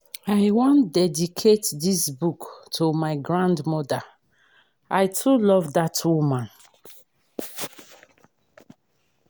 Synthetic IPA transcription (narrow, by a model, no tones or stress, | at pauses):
aɪwɔ̃ndɛdikʰetdisbuktʰomaɪɡɹãndmɔda | ʔaɪtʰulɔvdatwumãn